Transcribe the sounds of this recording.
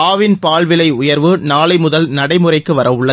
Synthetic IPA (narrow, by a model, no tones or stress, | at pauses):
aːʋɪnpaːɭʋɪlɐɪʊjɐɾʋɯnaːlɐɪmʊðɐlnɐɽɐɪmɯrɐɪkːɯʋɐɾɐʊɭːɐ